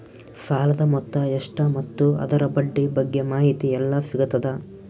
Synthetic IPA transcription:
saːlɐd̪ɐmɔt̪ːɐeʂʈɐmɐt̪ːuɐ̰d̪ɐɾɐbɐɖːibɐɡːe̞maːɦit̪iɛlːɐsiɡɐt̪ɐd̪ɐ

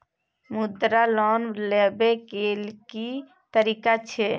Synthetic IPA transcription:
mud̪ɾalɔnlebekelki | t̪əɾikat͡ʃʰɛ

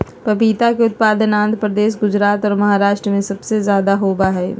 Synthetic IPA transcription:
pɐpiːt̪akeʊt̪̚paːd̪ənãːnd̪ʱəpɾɐd̪eːʃ̬ɡʊd͡ʒɾaːt̪ɔːɾmɐɦaːɾaːʃʈɾəmẽsɐbsezjaːd̪aɦoːbaɦɛː

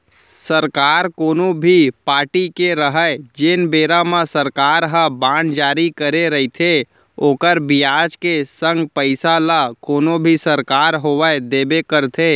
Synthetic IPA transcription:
səɾkaːɾkoːnobʱipaːɾʈikeɾəɦəed͡ʒenbeːɾamãsəɾkaːɾɦəbãːnd͡ʒaːɾikəɾeɾəɦit̪ʰe | oːkəɾbijaːd͡ʒkesə̃ŋɡpəɪsalakoːnobʱisəɾkaːɾɦoʋəed̪eːbekəɾt̪ʰe

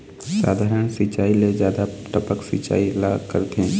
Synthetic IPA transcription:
sa̰ːd̪ʱaːɾəɳsɪt͡ʃaːiled͡ʒjaːd̪aʈəpəksɪ̰t͡ʃa̰ːilaːkə̰ɾd̪ẽː

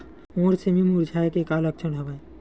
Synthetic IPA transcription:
õɾsemimuɾd͡ʑʱaekekalɔk̚t͡ʃʰɔnɦɔbe

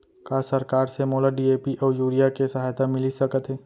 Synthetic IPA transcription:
kaːsɐɾkaːɾsemoːlaɖieːpiʔɔːɾjuːɾijakesɐɦaːjt̪amɪlisɐkət̪ɦɛː

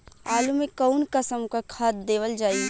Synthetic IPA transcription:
aːlumekəʊnkəsəmkakʰat̪̚d̪eːʋəld͡ʒaːi

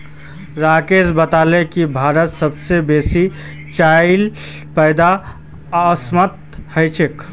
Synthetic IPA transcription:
ɾaːkeːsbət̪aːlekibʱaːɾət̪səbsebeːsi | t͡ʃaːɪl | pəɪd̪a | smət̪həjt͡ʃʰek

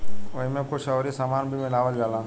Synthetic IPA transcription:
ɐĩmẽkoʃəʋɾisaːmaːnbʱimɪlaːʋəlɡaːlaː

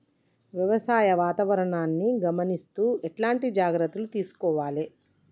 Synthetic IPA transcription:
ʋjɐʋɐsaːjɐʋaːt̪ɐʋɐɾɐɳaːnːiɡɐmɐnist̪uːɛʈlaːɳʈid͡ʒaːɡɾɐt̪ːulut̪iːsu̥kɔːʋaːli

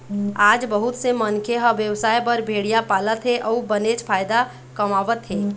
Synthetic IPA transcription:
ad͡ʒbəɦut̪semənkʰeɦəʋjəwsaːjbəɾbʱeɽijapalət̪ɦeʔɔubənet͡ʃpʰaːjd̪a | kəmaʋət̪ɦe

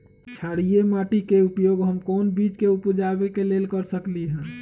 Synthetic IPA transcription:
t͡ʃʰaɽijemaʈikeupjoːɡɦəmkɔːnbit͡ʃkeupd͡ʒabekelelkəɾsəkliɦɛ̃ː

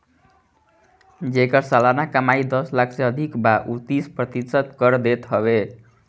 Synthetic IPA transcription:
d͡ʒekʌɾsalanakəmaid̪ʌslakʰseʌd̪ʱikbaʔut̪ispɾʌt̪isəd̪kʌɾd̪et̪ɦʌbe

